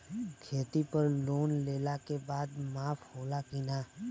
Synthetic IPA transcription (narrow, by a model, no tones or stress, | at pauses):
kʰeːt̪ipəɾloːnleːlakebaːd̪maːpʰhoːlakɪnaː